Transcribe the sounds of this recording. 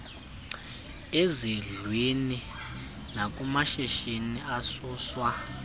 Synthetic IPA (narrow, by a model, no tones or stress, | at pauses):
eziɮwini | nak̬ʼumaʃeʃiniasuːswa